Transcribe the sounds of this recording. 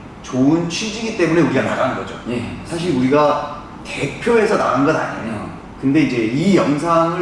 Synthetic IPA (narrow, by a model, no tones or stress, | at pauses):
t͡ɕoɯnt͡ɕʰid͡ʑiɡit͈e̞mune̞uɾiɡana̰ɾaɦnɯnɡʌd͡ʑo̰jesʰaɕ̬ʰiɾuɾiɡa | te̞pʰjoe̞sʰʌna̰ɣanɡʌda̰ɲio̰ | kɯnde̞id͡ʑe̞ijʌŋs̬ʰaŋɯ